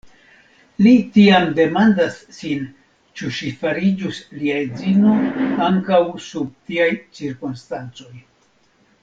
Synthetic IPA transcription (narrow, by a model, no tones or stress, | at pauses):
litiamde̞mandasːin | t͡ʃuʃifaɾid͡ʒusliaed͡zino̞aŋkawsub̚tiajt͡ʃiɾkunstant͡so̞j